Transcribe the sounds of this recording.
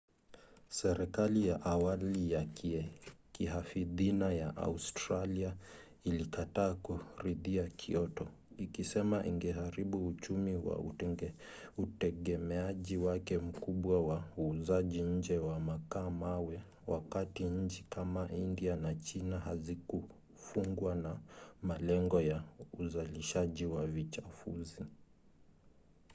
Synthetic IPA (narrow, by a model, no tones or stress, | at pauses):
sɛɾɛkalijaʔawalijakʰikiɦafiðinajaʔa̰ustɾalia | ilikataːkuɾiðiakʰḭɔtɔ | ikisɛmaʔḭŋɡɛɦaɾiɓuut͡ʃumiwa̰ | utɛɠɛmɛaʄiwakɛm̩kuɓwawauːzaʄiɲ̩d͡ʒɛwamakaːmawɛ | wakatiɲ̩t͡ʃikamaʔindianat͡ʃinahaziku | fuŋɡwanamalɛŋɡɔjauzaliʃaʄiwavit͡ʃafṵzi